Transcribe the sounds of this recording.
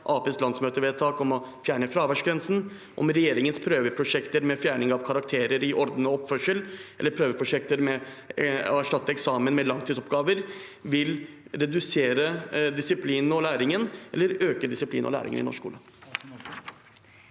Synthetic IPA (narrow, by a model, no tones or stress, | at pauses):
ʔɑːpeːslɑnsmøːt̪əʋɛːt̪ʰɑːkɔmɔfjæːɳəfɾɑːʋæʂɡɾɛnsn̩ | ʔɔ̰mɾɛjeːɾɪŋənspʰɾøːʋəpʰɾʊʂɛkt̪əɾmɛfjæːɳɪŋɑʋkʰɑɾɑkt̪ʰeːɾəɾɪʔɔɾd̪n̩əɔpːfœʂəlʔɛlːəɾpʰɾøːʋəpʰɾʊʂɛk̚t̪əɾmɛ | ɔæʂʈɑt̪ːəɛksɑːmənmɛlɑŋt̪ʰiːsɔp̚ɡɑːʋəɾ | ʋɪlɾɛd̪ʉseːɾəd̪ɪsɪpʰliːnɔlæːɾɪŋənʔɛlːəɾøːkəd̪ɪsɪp̪ʰḭːnʔɔ̰læ̰ːɾɪ̰ŋə̰nɪ̰nɔ̰ʂkṵːlə